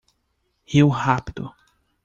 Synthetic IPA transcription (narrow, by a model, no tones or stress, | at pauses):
hiwhapid̪ʊ̰